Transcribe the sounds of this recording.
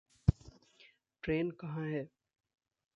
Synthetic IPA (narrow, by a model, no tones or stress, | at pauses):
ʈɾeːnkɐɦãɦɛː